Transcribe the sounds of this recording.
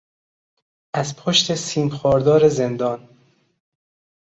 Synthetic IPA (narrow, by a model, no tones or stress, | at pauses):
ʔæzpʰoʃt̪ʰesiːmxɒːɾd̪ɒːɾe̞ze̞nd̪ɒːn